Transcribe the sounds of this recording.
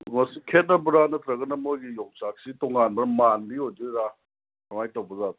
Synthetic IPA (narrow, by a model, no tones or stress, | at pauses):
ŋɐsikʰet̚nɐbuɾanɐt̪ɾɐɡɐnɐmojɡijɔŋsak̚sitɔŋanbɐɾmandiojdiɾa | nɔŋajtawbɐzat